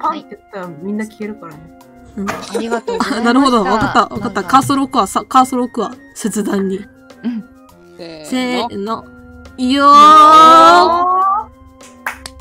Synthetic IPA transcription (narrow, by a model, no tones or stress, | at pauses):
pãnt̪et̪ːaɾamʲĩnːakʲi̥eɾɯ̟kaɾane | ɯ̟̃ɴanaɾɯ̟ho̞d̪oβakat̪ːaβa̰kat̪ːakaːsoɾokɯ̟βasakaːsoɾokɯ̟βa | set͡sɨd̪ãɲ̟ːĩ | seno | jo